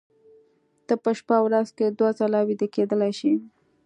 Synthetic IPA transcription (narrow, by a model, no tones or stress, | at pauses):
t̪əpəʃpawɾazked̪wazalɑwid̪iked̪əlajʃi